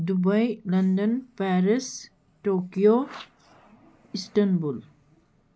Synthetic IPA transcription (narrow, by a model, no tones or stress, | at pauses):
dubajlɐndənpaɾis | ʈokijo | isʈɐnbul